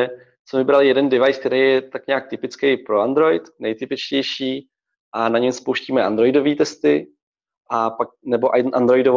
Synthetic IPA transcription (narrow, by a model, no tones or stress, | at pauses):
smɛvɪbɾalɪjɛdɛndɪvajsk̚t̪ɛɾejɛt̪akɲaːk̚t̪ɪpɪt͡skɛjpɾoand̪ɾo̞jɪt̪nɛjt̪ɪpɪt͡ʃcɛjʃiː | ʔanaɲɛmspowʃciːmɛʔa̰nd̪ɾo̞jdo̞viːt̪ɛst̪ɪ | ʔapak̚nɛbo̞ʔaʔa̰nd̪ɾo̞jɪdov